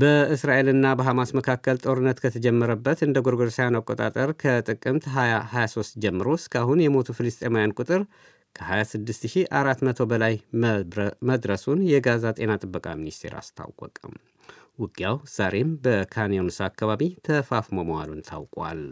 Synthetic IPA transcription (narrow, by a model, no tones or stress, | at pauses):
bəɨsɾaʔe̞lɨnːabəɦamasməkʰakːəlt̪ʼo̞ɾɨnːət̪kʰət̪ʰəd͡ʒɛmːəɾəbːət̪ɨnd̪əɡoɾɡoɾsajanakʼːo̞t̪ʼa̰t̪ʼəɾkʰət̪ʼɨkʼːɨmt̪ɦajahajasost̪d͡ʒɛmːɨɾo̞skʰaɦunjɛmo̞t̪ʰufilɨst̪ʼemojankʼut̪ʼɨɾ | kʰəhajasɨd̪ːɨst̪ɨʃiʔaɾat̪mət̪ʰobəlaj | məd̪ɾəsunjɛɡazat̪ʼe̞nat̪ʼɨbːəkʼa̰minist̪ʰe̞̰ɾa̰st̪ʰa̰wwʷə̰kʼəm | wʊɡʼjawz̥aɾe̞mbəkʰanijonsakːaβaβit̪ʰəfafmomowa̰lunt̪ʰa̰wkʼwa̰l